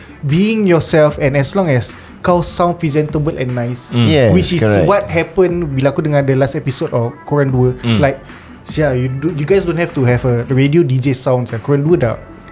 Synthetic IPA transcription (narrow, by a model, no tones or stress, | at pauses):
biĩŋjɔsɛlfɛ̃nɛslɔ̃ŋɛs | kawsãw̃npɹizɛ̃ntəbəlʔɛ̰̃nːajsjɛwit͡ʃiwɔt̚hɛpə̃nbilakudəŋãndəlastɛpisodɔfkɔɹãnduəlaɪk̚ | siajudjuɡajsdõnhɛftuhɛvəɹediodid͡ʒesãw̃nsakɔɹãnduda̰t̚